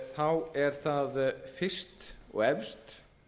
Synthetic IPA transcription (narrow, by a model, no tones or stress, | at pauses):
θawɛɾ̥θaðfɪst̪ɔ̰ɣɛvst̪